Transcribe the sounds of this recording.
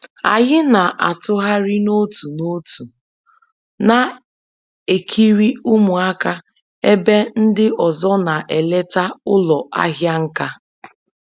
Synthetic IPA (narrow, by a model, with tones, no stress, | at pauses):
a̰˨ɲɪ˦na˨ʔa˨tʊ˦ɦa˦ɾɪ˦no˦tu˨no˦tu˨ | na˨ | e˨kʰi˦ɾi˦ʊ˦mʊ˨a˦ka˦ | e˦be˦n̩˦dɪ˦ʔɔ˨zɔ˦na˨ʔe˨le˦ta˦ʊ˦lɔ˨ʔa̰˦ɦja˦ŋ̩˦ka˦